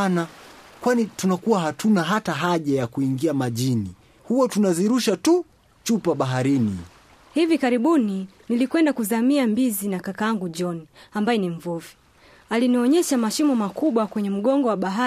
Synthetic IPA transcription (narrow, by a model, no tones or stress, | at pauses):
nakwanitunakuwaɦatʰunaɦataɦaʄajakuiŋɡiamaʄini | huwatunaziɾuʃatu | t͡ʃupaɓaɦaɾinḭ | hivikaɾiɓuninilikwɛndakuzamiambizinakakaaŋɡuɔniambajɛnim̩vuvi | aliniɔɲɛʃamaʃimɔmakuɓwakwɛɲɛm̩ɠɔŋɡɔwaɓaɦa